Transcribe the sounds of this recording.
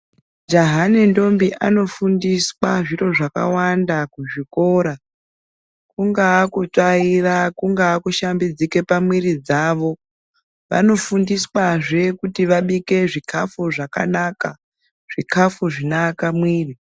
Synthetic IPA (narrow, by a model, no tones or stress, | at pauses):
d͡ʒaɦanendo̞mbiʔano̞fundiswaʐiro̞ʐaka̰wandakuʐiko̞ɾa | kuŋɡaːkut͡ʂairakuŋɡaːkuʃambid͡zike̞pamwiɾid͡zaːʋo̞ | ʋa̰no̞fundiswaʐekutiʋaɓike̞ʐikʰafuʐaka̰naːka | ʐ̥ikʰafuʐinakamwiːri